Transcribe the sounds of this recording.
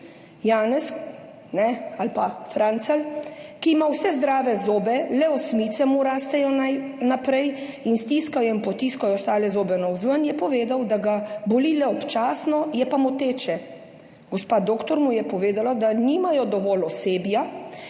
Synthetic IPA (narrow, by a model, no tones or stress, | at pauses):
jaːnɛs | nɛalpafɾant̪salkiːmawsɛzd̪ɾaːʋɛzoːbɛlɛɔsmit̪sɛmuɾaːst̪ɛjɔnajnapɾɛjinst̪iːskajɔinpɔt̪iskajɔst̪aːlɛzoːbɛnawzʋənjɛpɔʋeːd̪awd̪aɡabolilɛɔpt͡ʃaːsnɔjɛpamɔt̪eːt͡ʃɛ | ɡɔspaːd̪oːkt̪ɔɾmujɛpɔʋeːd̪alad̪aniːmajɔd̪ɔʋɔːlɔseːbja